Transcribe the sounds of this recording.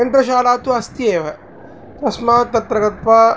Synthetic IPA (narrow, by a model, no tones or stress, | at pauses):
ɐnt̪ɾɐʃaːlaːt̪uɐst̪ieːʋɐ | pɾɐsmɐt̪ɐt̪ɾɐkɐt̪̚pa